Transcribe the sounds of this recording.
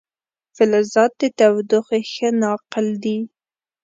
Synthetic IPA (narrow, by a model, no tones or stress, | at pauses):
fɪlazɑt̪̚d̪ət̪awd̪ʊxexənɑqɪld̪i